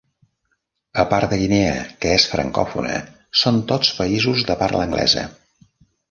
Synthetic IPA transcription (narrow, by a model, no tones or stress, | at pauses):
əpaɾd̪əɣineəkəesfɾə̰ŋkɔ̰fṵnə̰ | sont̪ot͡spəizuzðəpaɾləŋɡlʔɛ̰zə̰